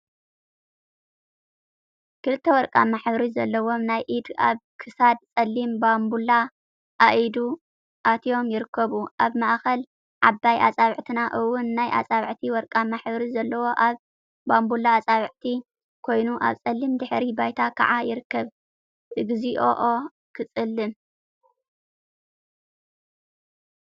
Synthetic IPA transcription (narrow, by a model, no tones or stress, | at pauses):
kɨlɨt̪ʰːewɔɾkʼa̰maħbɾizɐlːɐwo̞mnajʔid̪a̰βkʰɨsad̪̚t͡sʼɐlːimbambula | ʔaʔid̪u | ʔat̪ʰijo̞mjɪɾɨkːɐβuʔaβmaʔxɐl | ʕabːajʔa̰t͡sʼaβʕt̪ʰɨnaʔɨwʊnːajʔa̰t͡sʼaβʕt̪ʰiwɔɾkʼamaħbɐɾizɐlːɐwo̞ʔaβ | bambulaːt͡sʼaβʕt̪ʰi | kʰo̞jnuʔa̰βt͡sʼɐlːimd̪ɨħɾibajt̪ʰakʰa̰ʕajɪɾɨkːɐβ | ʔɨɡɨziʔo̰ʔo | kʰɨt͡sʼɨlːɨm